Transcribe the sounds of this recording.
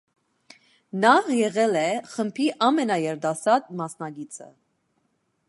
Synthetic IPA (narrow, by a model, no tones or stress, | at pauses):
nɑhjɛʁɛlɛχəmpʰiʔɑmɛnɑjɛɾd̪ɑsɑd̪mɑsnɑɡit͡sʰə̰